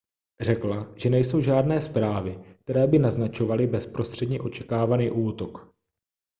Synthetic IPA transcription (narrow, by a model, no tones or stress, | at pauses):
r̝ɛklaʒ̥ɛnɛjso̞wʒaːdnɛːspɾaːvɪk̚t̪ɛɾɛːbɪnaznat͡ʃo̞valɪbɛspɾo̞st̪r̝̥ɛdɲɛʔo̞t͡ʃɛ̥kaːvaniːʔuːt̪ok